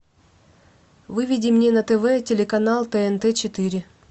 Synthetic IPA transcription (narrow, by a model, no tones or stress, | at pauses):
vɨvʲɪdʲɪmnʲenət̪ɛvɛtʲɪlʲɪkɐnalˠt̪ɛɛnt̪ɛt͡ɕɪt̪ɨɾʲɪ